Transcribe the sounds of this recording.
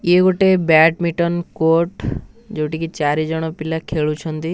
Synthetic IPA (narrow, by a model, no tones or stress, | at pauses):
jeɡoʈebɛʈmiʈɔnkoʈ | d͡ʒewʈikit͡ʃaɾid͡ʒɔɽ̃ɔpilakʰeɭut͡ʃʰɔnt̪i